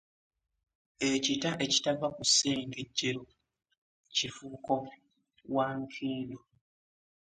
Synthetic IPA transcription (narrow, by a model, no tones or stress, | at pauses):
ecitaʔe̞ci̥tavakusːe̞ːŋɡeɟːeɾo | cifuko̞ | waŋkʰiːndo